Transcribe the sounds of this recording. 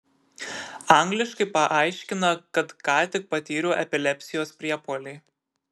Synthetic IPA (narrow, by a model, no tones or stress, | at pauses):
ɐˑŋʲɡlʲɪʃkɐɪpɐʔɑˑɪʃʲkʲɪnɐkɐt̪kɑːt̪ʲɪk̚pɐt̪ʲiːɾʲoːʔɛpʲɪlʲɛpʲsʲɪjoːspʲɾʲiɛpoːlʲɛɪ